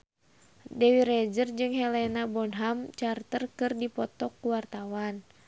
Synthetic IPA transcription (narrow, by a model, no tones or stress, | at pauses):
dɛwiɾɛd͡ʒərd͡ʒɨŋɦɛlɛnabɔnɦamt͡ʃart̪ərkɨrdipɔt̪ɔkːuwart̪awan